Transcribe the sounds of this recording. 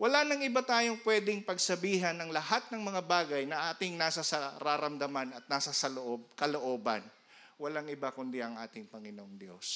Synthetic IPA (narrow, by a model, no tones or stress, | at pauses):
wɐlanɐŋʔɪbat̪aːjo̞ŋpwɛːd̪ɪŋpɐɡsɐbiːɦɐnːɐŋlɐhat̪̚nɐŋmɐŋabaːɡɐjnɐʔaːt̪ɪŋnaːsɐsɐɾaːɾɐmd̪ɐmanɐt̪̚naːsasɐloʔob̚kɐloʔo̞ːbɐ̰n | wɐlaŋɪbakʊnd̪iʔɐŋʔaːt̪ɪŋpɐŋɪnoŋd̪jo̞̰s